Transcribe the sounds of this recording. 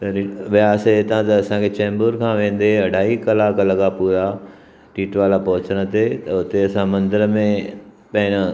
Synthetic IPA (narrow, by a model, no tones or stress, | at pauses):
t̪ɐɾʋɪjaːset̪ãt̪ɐːsãkʰet͡ɕɛ̃ːmbuːɾkʰãːʋẽːn̆d̪eɐɖʱaːɦikɐlaːkɐləkʰapuːɾa | ʈiːʈʋaːlapɐɦʊt͡ɕəɽ̃ə̆t̪ʰet̪ɐʊt̪eɐsãmɐ̃nd̪əɾəmẽ | pɐ̃ɦɪ̃nə